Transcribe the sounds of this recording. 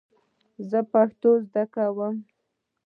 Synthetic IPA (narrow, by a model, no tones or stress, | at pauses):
zəpaxt̪ozd̪akawəm